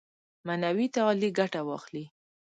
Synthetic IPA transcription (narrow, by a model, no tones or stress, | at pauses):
manawit̪aliɡaʈawɑ̰xli